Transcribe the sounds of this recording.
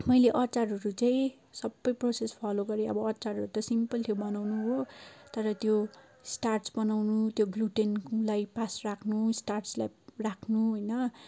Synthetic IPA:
mʌjleʔʌt͡saɾʌɾut͡saĩ | sʌbːʌjprosespʰaloɡʌɾiʌbʌːt͡sarʌɾut̪ʌsimpʌlt̪ʰebʌnawnuɦot̪ʌɾʌt̪jo | sʈarʈsbʌnawnut̪joɡluʈenlajpasrakʰnusʈarslajrakʰnuɦojnʌ

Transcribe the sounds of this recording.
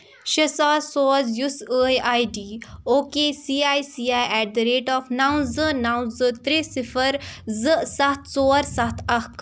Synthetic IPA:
ʃɐsaːɾsoːzjusəːjaːjɖiːoːkeːsiːaːjsiːaːjɛːʈ̚d̪ɐɾeːʈɔːfnaːw̃zɨnaːw̃zɨt̪ɾesifəɾzɨsɐht̪ʰsoːɾsɐt̪ʰɐk

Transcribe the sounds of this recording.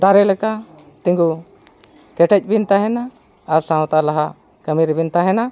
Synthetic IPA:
d̪aɾɛlɛka | t̪ĩŋɡu | kɛʈɛc̚ˀbint̪aɦɛnaː | ɾsãw̃t̪alaɦa | kəmiɾbint̪aɦɛna

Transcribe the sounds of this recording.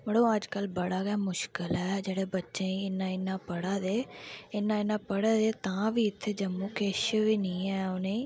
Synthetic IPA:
məɽõːəd͡ʒkəlbəɽaːɡɛːmʊʃkəlɛːd͡ʒeːɽeːbətːʃẽːiɪnːãːɪnːãːpəɽaːd̪eːɪnːãːɪnːãːpəɽaːd̪eːt̪ãːʋiːɪt̪ʰːeːd͡ʒəmːũːkeːʃʋiːnĩːɛːoneː

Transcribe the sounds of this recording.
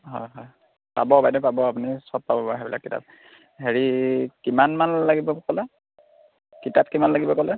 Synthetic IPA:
ɦɔ̰jɦɔj | pa̰bɔbajdɛpabɔap̬unisɔp̚pabɔbaɦɛbila̰kːita̰p̚ | heɹikimanmanlaɡibɔkɔlɛ | kitap̚kimanlaɡibɔkɔlɛ

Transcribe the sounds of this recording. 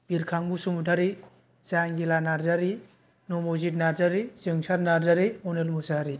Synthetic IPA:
b̥iɾkʰaŋbusumudʰaɾi | zaŋɡilanaɾzaɾi | nomozitnaɾzaɾizɯŋsaɾnaɾzaɾiɔnelmusaɾi

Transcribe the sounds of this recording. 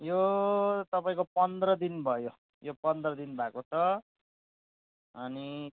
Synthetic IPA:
jot̪ʌpaĩkopʌnd̪rʌd̪inbʱʌjo | jopʌnd̪rʌd̪inbʱakot͡sʰʌ | ʌni

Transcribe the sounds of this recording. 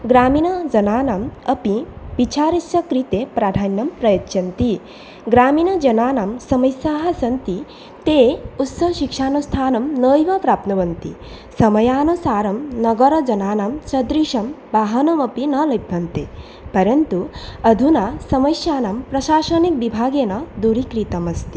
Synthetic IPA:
ɡɾaːminɐd͡ʒɐnaːnaːmɐpiʋit͡ʃaːɾisjɐkɾit̪epɾaːd̪ʱaːnːɐmpɾɐjɐtːʃɐnt̪i | ɡɾaːminɐd͡ʒɐnaːnaːmsɐmɐjsaːɦɐ̆sɐnt̪i | t̪eːut̪sɐʃikʂaːnust̪ʰaːnɐmnəːjʋɐpɾaːp̚t̪nɐʋɐnt̪ḭ | sɐmɐjaːnusaːɾɐmnɐɡɐɾɐd͡ʒɐnaːnaːmt͡ʃɐd̪ɾiʃɐm | ʋaːɦɐnɐmɐpinɐlɐjbʱɐnt̪e | pɐɾɐnt̪uɐd̪ʱunasɐmɐjsjaːnaːmpɾɐʃaːʃɐnik̚ʋibʱaːɡeːnɐd̪uɾikɾit̪ɐmɐst̪i̥

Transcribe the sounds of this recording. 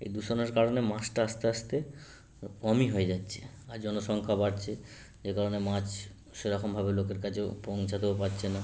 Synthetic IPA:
ḛjd̪uʃoneɾkaɾonemãsʈaaʃt̪eaʃt̪e | kɔmiɦoed͡ʑatːɕʰe̥ | aɾd͡ʑɔnoʃɔŋkʰabaɾt͡ɕʰe | d͡ʑekaɾonemãt͡ɕ | ʃeɾɔkʰombʱabelokeɾkat͡ɕʰepɔŋt͡ɕʰad̪eopaɾːɕʰena

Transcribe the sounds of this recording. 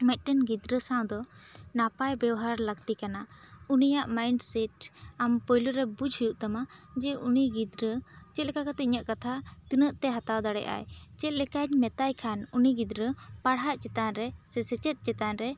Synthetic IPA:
mɛc̪̚ˀʈənɡid̪ɾəsãw̃d̪ɔnapajbɛwɦaɾləkt̪ikanaunijaʔmajɳɖsɛʈampɔjluɾɛbud͡ʒhujuʔt̪amad͡ʒɛʔuniɡid̪ɾət͡ʃɛt̪̚lɛkakat̪ɛɲəʔkat̪ʰat̪inəʔt̪ɛɦat̪awd̪aɽɛ̰ʔa̰jt͡ʃɛt̪̚lɛkaɲmɛt̪ajkʰanuniɡid̪ɾəpaɽɦaʔt͡ʃɛt̪anɾɛsɛsɛt͡ʃət̪̚ˀt͡ʃɛt̪anɾɛ

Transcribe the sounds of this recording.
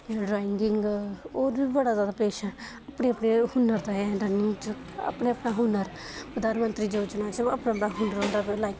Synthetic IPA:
ɖɾaːɪŋɡɪŋɡoːɾbiːbəɽaːzaːd̪aːpeːʃãː | apɽeːəpneːhʊnəɾt̪aːɛɖənɪŋɡt͡ʃ | ə̰pɽeːəpnaːɦʊnəɾ | pəd̪aːnmənt̪ɾiːd͡ʒoːd͡ʒnaːt͡ʃəpnãːpnaːɦʊnəɾõnd̪aːpelaːɪk

